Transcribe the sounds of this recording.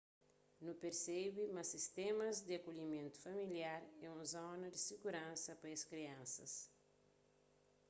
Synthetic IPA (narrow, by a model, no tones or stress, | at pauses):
nupeɾsebimɐsist̪emɐzd̪iɐkoʎimẽnt̪u̥fɐmiljaɾɛũzɔnɐd̪isiɡuɾãnsɐpɐeskɾiãnsɐ̰s